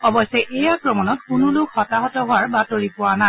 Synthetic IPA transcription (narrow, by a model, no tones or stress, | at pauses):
ɔbɔsɛʔejakɹɔmɔnɔt̚kʊnʊlʊkhɔtaɦɔtɔɦʊaɹbatoɹipʊwana